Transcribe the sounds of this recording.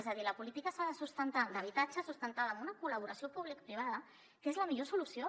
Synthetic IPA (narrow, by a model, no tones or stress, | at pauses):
ezəðiləpulit̪ikəsaðəsust̪ənt̪ad̪əβ̞it̪at͡ʃəsust̪ənt̪aðəːmunəkuləβ̞uɾəsiopuβlik̚pɾiβ̞aðə | kezləmiʎosulusio